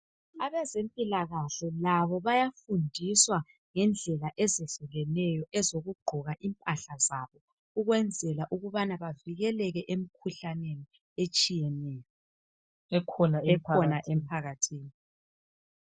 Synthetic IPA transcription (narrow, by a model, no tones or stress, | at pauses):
aβɛzempʼilaɣaɬɛlaβɔβajafundʱiswa | ŋɛnd͡ɮʱɛlaʔɛzɛɬɛɣɛnɛjɔʔɛzoɣuɡ͡ǃʱɔɣaʔimpʼaɬazaβɔ | uɣwɛnd͡zʱɛlaʔuɣuβanaβaviɣɛlɛɣɛʔemikʰuɬaneni | et͡ʃʼijɛnɛːjɔ | ɛkʰɔnaɛkʰɔnaʔem̩pʰaɣatʰiːni